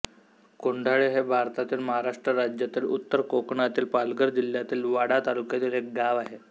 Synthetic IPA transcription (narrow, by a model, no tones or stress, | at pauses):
koɳɖʱaɭeɦebʱaɾt̪at̪iːlməɦaɾaʂʈɾəɾad͡ʑjat̪iːlut̪ːəɾkokɳat̪iːlpalɡəɾd͡ʑil̤jat̪iːlʋaɽat̪alukjat̪iːlek̚ɡaʋaɦe